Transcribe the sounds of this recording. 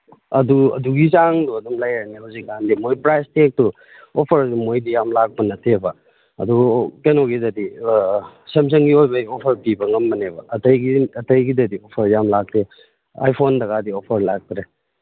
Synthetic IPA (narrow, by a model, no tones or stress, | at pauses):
ɐ̰duɐ̰duɡizaŋduɐdumlajɐɾnihawzik̚ːandimojpɾajstʰek̚tu | opʰɐɾdumojdijamlak̚pɐnɐtʰebɐ | ɐ̰dukenoɡidɐdi | sems̬ɐŋɡiojbɐopʰɐɾpibɐŋɐmːɐnebɐɐtɐjɡiɐtɐjɡidɐdiopʰɐɾjamlak̚te | a̰jpʰondɐɣadiopʰɐɾlak̚tɾe